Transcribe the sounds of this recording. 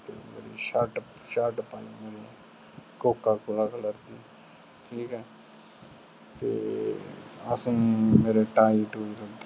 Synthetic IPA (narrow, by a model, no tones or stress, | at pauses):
t̪ḛːmḛːɾḭːʃəʈʃəʈpaimeːɾe | koːkːaːkʊlakʰələɾd̪iː | ʈʰiːkɛː | t̪ḛː | əsĩːmeːɾeʈaːiʈoːiləɡ